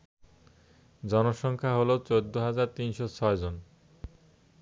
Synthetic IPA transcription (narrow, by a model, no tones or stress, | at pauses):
d͡ʑɔnoʃɔŋkʰaɦolot͡ɕod̪ːoɦad͡ʑaɾt̪inʃot͡ɕʰɔed͡ʑon